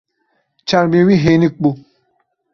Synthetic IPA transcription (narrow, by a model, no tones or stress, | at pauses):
t͡ʃaɾmewiɦenik̚k͡pu